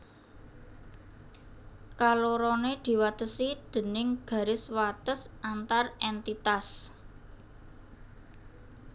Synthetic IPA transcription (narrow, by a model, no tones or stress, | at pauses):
kaloɾoned̪̥i̤wat̪əsid̪̥ə̤nɪŋɡ̥ä̤ɾɪswat̪əsʔant̪arɛnt̪it̪as